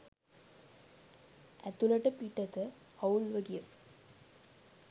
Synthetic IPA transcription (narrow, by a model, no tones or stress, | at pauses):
æt̪ːulɐʈːəpiʈːɐt̪ə | ɐwulʋɐɡijə